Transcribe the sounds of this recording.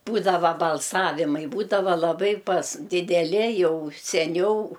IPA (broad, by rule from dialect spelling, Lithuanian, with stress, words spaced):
ˈbuːdɐʋɐ bɐlˠˈsɑːʋʲɪmɐɪ ˈbuːdɐʋɐ lˠɐˈbɐɪ pɐs dʲɪdʲɛˈlʲɪ ˈjɛʊ sʲɛˈnʲɛʊ